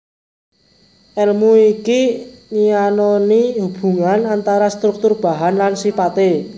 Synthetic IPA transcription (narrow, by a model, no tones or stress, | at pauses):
ʔɛlmuikinianoniɦub̥ṳŋanant̪aɾast̪ɾʊk̚t̪ʊrb̥a̤ɦanlansipat̪e